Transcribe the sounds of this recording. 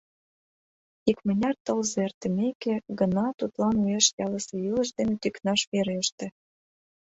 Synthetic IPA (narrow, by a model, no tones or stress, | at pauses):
ikmə̆nʲɑrt̪ɤ̆lzert̪ə̆mekeɡə̆nɑt̪ut̪lɑneʃjɑlə̆sĕylə̆ʃ̬d̪enĕt̪yknɑʃβeɾeəʃt̪ĕ